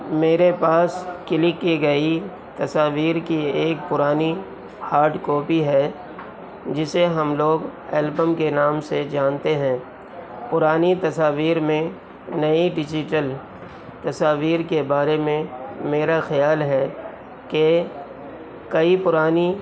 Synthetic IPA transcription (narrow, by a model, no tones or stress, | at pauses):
meːɾepaːskɪlɪkːiɡɐi | t̪ɐsaːʋiːɾkieːk̚pʊɾaːni | haːɾɖkɔːpiɦɛ | d͡ʒɪseɦɐmloːɡɛːlbəmkenaːmsed͡ʒaːnt̪eɦɛ̃ː | pʊɾaːnit̪ɐsaːʋiːɾmẽ | nɐiɖɪd͡ʒɪʈəl | t̪ɐsaːʋiːɾkebaːɾemẽmeːɾaxɐjaːlɦɛ | ke | kɐipʊɾaːni